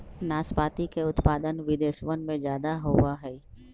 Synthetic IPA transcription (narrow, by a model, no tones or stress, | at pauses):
naːspaːt̪ikeʊt̪paːd̪ənʋɪd̪eːsʋənmẽd͡ʒjaːd̪aɦoaɦɛː